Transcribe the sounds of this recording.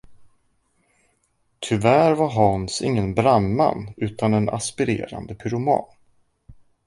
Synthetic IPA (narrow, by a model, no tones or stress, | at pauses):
t̪ʰʏvæɾvaɾɦɑnsɪ̰ŋːənbɾamːa̰nʉ̟ːt̪anɛna̰spɪɾḛːɾa̰nd̪əpʰʏɾʊmɑ̰ːn